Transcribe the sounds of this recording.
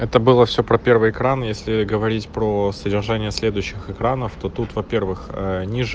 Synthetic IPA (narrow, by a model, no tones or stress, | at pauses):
ɛt̪əbɨlˠəfsʲopɾɐpʲe̞rvɨjɪkɾanjesʲlʲɪɡəvɐɾʲitʲpɾosədʲɪrʐanʲɪjəsʲlʲe̞d̪ʊjɕːɪxɨkɾanəft̪o̞t̪ut̪vɐpʲe̞rvɨxənʲiʐ